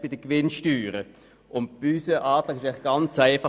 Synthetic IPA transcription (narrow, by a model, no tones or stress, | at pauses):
b̥ɪd̥əkvɪnʃtyːɾə | ʔʊntb̥ysəʔaːtɑːkɪʃaɪlɪɡ̥ɑnt͡sæɪfɑ